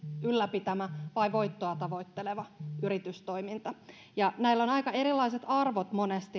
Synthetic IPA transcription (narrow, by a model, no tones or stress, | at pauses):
ylːæpit̪æmæʋɑjʋo̞it̪ːoɑt̪ɑʋo̞it̪ːeleʋɑyrit̪yst̪o̞imint̪ɑ | jɑnæilːo̞nɑikɑe̞ɾilːɑise̞t̪ɑrʋot̪mo̞nest̪i